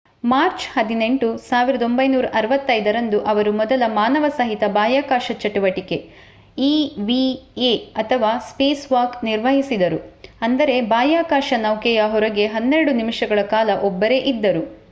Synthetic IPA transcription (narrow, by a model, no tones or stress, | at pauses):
maːɾt͡ʃhɐd̪ine̞ɳʈusaːʋiɾɐd̪o̞mbɐjnuːɾɐʔɐɾɐʋɐt̪ːɐjd̪ɐɾɐnd̪uʔɐʋɐɾumɔd̪ɐlɐmaːnɐʋɐsɐɦit̪ɐbaːjaːkaːʃɐt͡ʃɐʈuʋɐʈike̞ | iːʋieɐt̪ʰɐʋaːspeːsʋaːkniɾʋɐɦisid̪ɐɾuɐnd̪ɐɾe̞baːjaːkaːʃɐnɐwkɛjɐɦɔɾɐɡe̞ɦɐnːeɾɐɽunimiʂɐɡɐɭɐkaːlɐʔɔbːɐɾe̞ʔid̪ːɐɾu